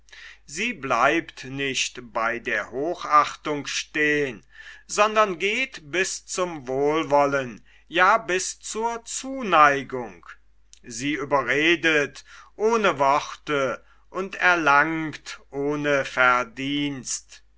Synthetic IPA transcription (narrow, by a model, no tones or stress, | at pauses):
ziːblaɪptnɪʃtb̥aɪdeːɐhoːxʔaχtʊŋʃteːənzɔndɐnɡeːtb̥ɪst͡sʊmvoːlvɔlən | jaːbɪst͡suːɐt͡suːnaɪɡʊŋk | ziːʔyːbɐʁeːdətʔoːnəvɔʁtə | ʔʊntɛɐlaŋktʔoːnəfɛɐdiːnst